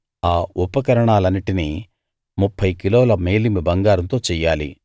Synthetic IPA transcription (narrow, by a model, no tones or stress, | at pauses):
aːupɐkɐɾɐɳaːlɐnːiʈini | mupʰːɐjkiloːlɐmeːlimibɐŋɡaːɾɐnt̪o̞ːt͡ʃɛːjːaːlḭ